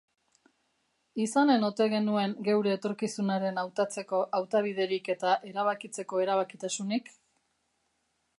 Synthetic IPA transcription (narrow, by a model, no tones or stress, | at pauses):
isane̞no̞t̪e̞ɣe̞nue̞ŋɡe̞wɾe̞ːt̪o̞ɾkisunaɾe̞nawt̪at͡se̞ko̞ʔawt̪aβ̞ið̞e̞ɾike̞t̪aʔe̞ɾaβ̞akit͡se̞ko̞e̞ɾaβ̞akit̪asunik